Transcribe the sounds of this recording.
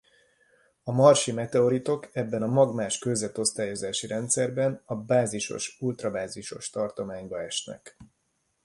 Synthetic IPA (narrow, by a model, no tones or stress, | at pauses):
ɒmɒrʃimɛt̪ɛo̞ɾit̪o̞kɛbːɛnɒmɒɡmaːʃkøzɛt̪o̞st̪aːjo̞zaːʃiɾɛnt̪sɛrbɛnɒbaːziʃo̞̰ʃult̪rɒbaːziʃo̞ʃt̪ɒrt̪o̞maːɲbɒɛʃnɛ̰k